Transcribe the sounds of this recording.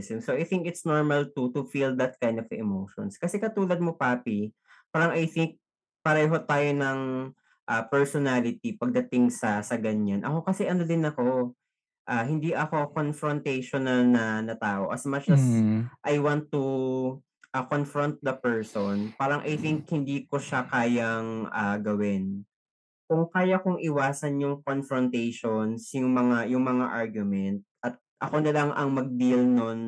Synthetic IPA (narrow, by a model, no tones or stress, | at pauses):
sɪŋsoʔɐjθɪ̃ŋkɪt̪snoɹmɐlt̪ut̪ʊfild̪ɐt̪̚kãjnd̪ɔvɛ̰mowʃɔ̰nskɐsɛkɐt̪uːlɐd̪̚mopaːpi | paːɾɐŋʔɐjθɪŋk̚ | pɐɾɐjɦot̪aːjonɐŋ | ʔapɛɹsɔnalɪt̪̚ipɐɡ̚d̪ɐt̪ɪŋsɐsɐɡɐɲanʔɐ̰ko̞kɐsɛʔɐnod̪ɪnɐko̞ | ʔaːɦɪnd̪iʔɐko̞konfɾɔnt̪ɛjʃonɐlnɐnɐt̪aːʔo̞ʔɐsmɐɐsʔɐjwant̪ːu | ʔɐkonfɹont̪̚d̪ɐpɛɹsonpaːɾɐŋʔɐjt̪ɪŋk̚hɪnd̪iːkoʃakaːjɐŋʔaɡɐwɪn | kʊŋkaːjɐkʊŋʔɪwaːsɐnjʊŋkonfɹɔnt̪ɛjʃonsjʊŋmɐŋajʊŋmɐŋaʔaɹɡjʊmɛnt̪̚ʔɐt̪̚ʔɐ̰ko̞nɐlɐŋʔɐŋmɐɡ̚d̪ilnon